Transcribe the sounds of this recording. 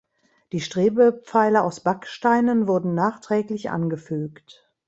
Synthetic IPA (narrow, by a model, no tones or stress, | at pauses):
d̥iːʃtʁ̥eːbəp͡faɪlɐaʊsb̥akʃtaɪnənvʊɐdn̩naːχtʁ̥ɛːklɪçʔa̰nɡəfyːkt